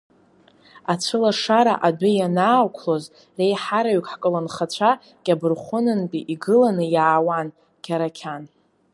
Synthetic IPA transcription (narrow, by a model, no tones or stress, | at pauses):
at͡ɕʷʰɨlaʂaɾa̰ʔadʷɨjanaːkʷʰlo̞z | re̞jħaɾaɥkʷʰʼħkʼɨlanχat͡ɕʷʰa | kʲʼabɨrχʷʊnɨnpʼiʔiɡɨlanɨjaːwan | kʲʰʼaɾakʲʰan